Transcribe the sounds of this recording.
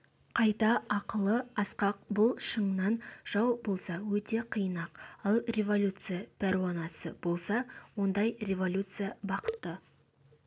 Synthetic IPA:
qʰɑjt̪ɑɑqəlˠəɑsqɑq̚bʊlˠʃəɴnɑnʒ̥ɑwbo̞lˠsɑwɵt̪e̞qʰijənɑqɑlˠrʲe̞vo̞lʲut̪sɨjapʲæɾɪwɑnɑsəb̥o̞lˠsɑwo̞nd̪ɑjre̞vo̞lʲut̪sɨjabɑqə̥t̪ːə

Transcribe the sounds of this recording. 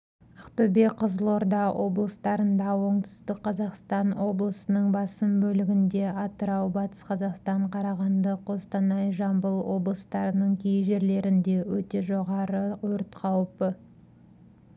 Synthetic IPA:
ɑqt̪ɵbeqʰəzəlˠo̞ɾd̪ɑwʔo̞blˠəst̪ɑɾənd̪ɑwo̞ɴt̪ʏ̥st̪ɪkqʰːɑzɑqst̪ɑnwo̞blˠəsənəɴbɑsəmbɵlɪɡʲɪnd̪e̞ɑt̪əɾɑwbɑt̪ə̥sqʰɑzɑqst̪ɑɴqʰɑɾɑʁɑnd̪əqwo̞st̪ɑnɑjʒɑmbəlˠwo̞̰blˠəst̪ɑɾənəɴkʲʰejʒe̞ɾle̞ɾɪnd̪e̞wɵt̪e̞ʒo̞ʁɑɾəwɵɾt̪qʰɑwpə

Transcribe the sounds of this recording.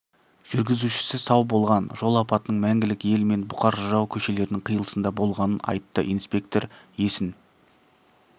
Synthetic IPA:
ʒ̥ʏɾɡʲɪzuʃɪ̥sɪsɑwbo̞lˠʁɑnʒo̞lˠɑpɑt̪əːəɴmæŋɡʲɪlɪke̞lme̞nbʊqɑɾʒɑwkʲʰɵʃe̞le̞ɾɪnɪɴqʰijəlˠəsənd̪ɑbo̞lˠʁɑnənɑ̰jt̪ːə̰ʔijnspʲe̞k̚t̪o̞ɾje̞sɪn

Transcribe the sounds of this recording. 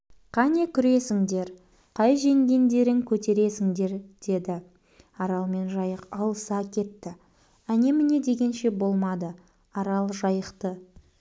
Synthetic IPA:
qʰɑnekʲʰʏɾe̞sɪŋd̪e̞ɾ | qʰɑjʒeŋd̪ʲe̞ŋd̪e̞ɾɪŋkʲʰɵt̪e̞ɾe̞sɪŋd̪e̞ɾd̪̥e̞d̪ɪ | ɑɾɑlˠme̞nʒɑjəqɑlˠəsɑkʲʰe̞t̪ːɪ | æne̞mɪne̞d̪e̞ɡʲe̞nʃe̞bo̞lˠmɑd̪ə | ɑɾɑlˠʒɑjəqt̪ə

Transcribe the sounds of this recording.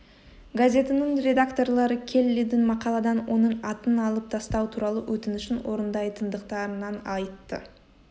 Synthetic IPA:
ɡazʲe̞t̪ənəɴrʲe̞d̪akt̪o̞rlˠɑɾəkʲʰe̞lːed̪ɪnmɑqɑlˠɑd̪ɑnwo̞nəɴɑt̪ənɑlˠəp̚t̪ʰɑst̪ɑwt̪ʰuɾɑlˠəwʔɵt̪ɪnɪʃɪnwo̞ɾənd̪ɑjt̪ʰənd̪əqt̪ɑɾənɑnɑjt̪ːə̰

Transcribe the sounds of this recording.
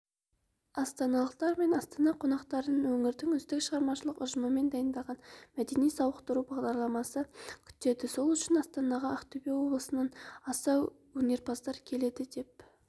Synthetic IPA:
ɑst̪ɑnɑlˠəqt̪ɑɾme̞nɑst̪ɑnɑqʰonɑqt̪ɑɾənwɵŋɪɾd̪ɪŋʏzd̪ɪkʃəʁɑɾmɑʃəlˠəqʊʒəməme̞nd̪ɑjənd̪ɑlˠʁɑnmæd̪e̞nijsɑwəqt̪əɾubɑʁd̪ɑɾlˠɑmɑsəkʲʰʏ̥t̪ːe̞d̪ɪso̞lˠʏʃɪnɑst̪ɑnɑʁɑɑqt̪ʰobewo̞blˠəsənɑnɑsɑw | wɵne̞ɾpʰɑsd̪ɑɾkʲʰe̞le̞d̪ɪd̪e̞p̚

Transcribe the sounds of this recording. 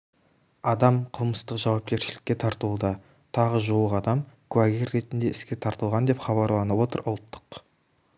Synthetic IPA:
ɑd̪ɑmqʰəlˠməst̪əqʒɑwɑp̚kʲe̞ɾʃɪlɪkʲːe̞t̪ʰɑɾt̪əlud̪ɑ | t̪ʰɑʁəʒuwəqɑd̪ɑmkʰuæɡʲerːe̞t̪ɪnd̪e̞ɪskʲe̞t̪ʰɑɾt̪əlˠʁɑnd̪e̞pχɑβɑɾlˠɑnəwo̞t̪ə̰ɾʔʊlˠt̪ːə̥q

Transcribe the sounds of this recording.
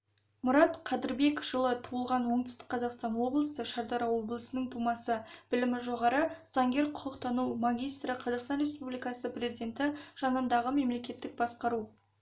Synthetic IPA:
mʊɾɑt̪qʰɑd̪ɪɾbe̞kʒ̥əlˠət̪ʰuəlˠʁɑnwo̞ɴd̪əst̪ə̥qʰːɑzɑqst̪ɑnwo̞blˠəsəʃɑɾd̪ɑɾɑwo̞blˠəsənəŋt̪ʰumɑsəb̥ɪlɪmɪʒo̞ʁɑɾəz̥ɑŋɡʲe̞ɾqʰʊqəqt̪ʰɑnuwmaɡʲijst̪ɾəqʰɑzɑqst̪ɑnre̞spublijkɑsəpre̞zid̪ʲe̞nt̪ɪʒ̥ɑnənd̪ɑʁəme̞mle̞kʲe̞t̪ːɪk̚bɑsqɑɾu

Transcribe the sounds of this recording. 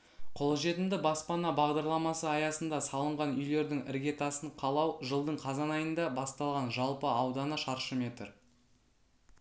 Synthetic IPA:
qʰo̞lˠʒe̞t̪ɪnd̪ɪbɑspɑnɑbɑʁd̪ɑɾlˠɑmɑsəɑjɑsənd̪ɑsɑlˠəɴʁɑnʏjle̞ɾd̪ɪŋɪ̰ɾɡʲe̞t̪ɑsəɴqʰɑlˠɑwʒəlˠd̪əɴqʰɑzɑnɑjənd̪ɑbɑst̪ɑlˠʁɑnʒɑlˠpəɑwd̪ɑnəʃɑɾʃəmʲe̞t̪ɪɾ

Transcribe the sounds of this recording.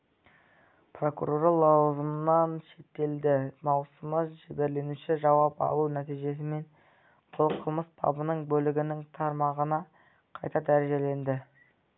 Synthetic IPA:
pro̞kṵɾoɾɑlˠɑwzəmnɑnʃe̞t̪ːe̞ld̪ɪmɑwsəməʒɪbe̞ɾle̞nuʃɪʒɑwɑpɑ̰lˠunæt̪ijʒe̞s̬ɪme̞n | bʊlˠqʰəlˠməst̪ʰɑ̰bənəɴbɵlɪɡʲɪnɪŋt̪ʰɑɾmɑʁənɑ | qʰɑjt̪ɑd̪æɾe̞ʒe̞le̞nd̪ɪ

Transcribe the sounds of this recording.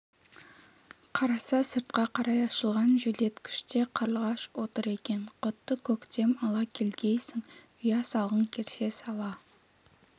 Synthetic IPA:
qʰɑɾɑsɑsəɾt̪̚qɑqʰɑɾɑjɑʃəlˠʁɑnʒele̞t̪kʲʰʏ̥ʃt̪e̞qʰɑɾlˠʁɑʃwo̞t̪əɾe̞kʲe̞nqʰot̪ːəkʲʰɵkt̪e̞mɑlˠɑkʲʰe̞lɡʲe̞jsɪŋ | ʊjɑsɑlˠʁəŋkʲʰeɾse̞sɑlˠɑ

